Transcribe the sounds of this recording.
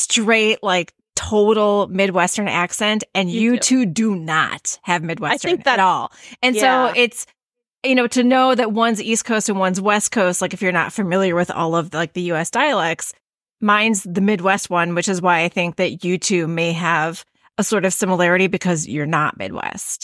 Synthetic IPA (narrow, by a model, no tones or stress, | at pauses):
stɹ̥eɪtlaɪk | tʰoʊɾl̩ˠmɪd̚wɛstə̃˞næksɛ̃ntɨ̃njɨtʰʉdɨnə̰t̚hɨvmɪd̚wɛstəɪ̃ŋnɨɾɔlˠɨ̃nsoʊɪts | jɨnoʊɾɨnoʊðɨt̚wʌ̃nziskʰoʊstɨ̃n̩wʌ̃nzwɛs̚kʰoʊst̚ˡlaɪkɨfjə˞nə̰tfɨmɪlˠjə˞wɨðɔ̰lˠʌvlaɪk̚ðɨjʉɛsd̥aɪɨlɛks | mãɪ̃ndzðɨmɪd̚wɛst̚wʌ̃nwɨt͡ʃɨzwaɪaɪθɪ̃ŋk̚ðɨt͡ʃjɨtʰʉmeɪɨv | əsɔɹɾʌv̥sɪ̃məlɛɹɨɾibɨkʰʌzjə˞nə̰t̚mɪ̰d̚wɛ̰st̚